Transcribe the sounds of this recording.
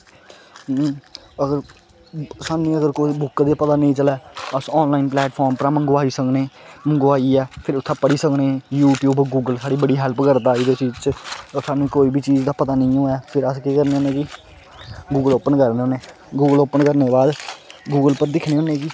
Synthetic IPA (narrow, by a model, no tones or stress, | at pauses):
əɡəɾ | saːnːĩːəɡəɾkoːiːbʊkːd̪eːpət̪aːnəĩːt͡ʃəlɛːəsɔːnlaːiːnplɛːʈpʰɔːɾmpəɾaːməŋɡoːaːiːsəknẽːmə̃ŋɡoːaːiːɛːpʰɪɾʊt̪ʰːãːpəɽiːsəknẽːjuːʈjuːbɡuːɡəlsaːɽiːbəɽiːɦɛlpkəɾt̪aːiːd̪eːt͡ʃiːd͡ʒt͡ʃːsaːnːũːkoːiːbʱiːt͡ʃiːd͡ʒd̪aːpət̪aːnəĩːõːɛːpʰɪɾəskeːkəɾneːoːnẽːki | ɡuːɡəloːpənkəɾneːoːneː | ɡuːɡəloːpənkəɾneːbaːd̪ɡuːɡəlpəɾd̪ɪkʰneːoːnẽːkiː